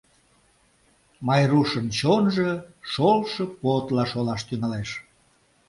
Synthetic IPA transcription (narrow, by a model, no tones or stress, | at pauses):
mɑjruʃənt͡ɕonʒəʃolʃəpot̪lɑʃolɑʃt̪yŋɑleʃ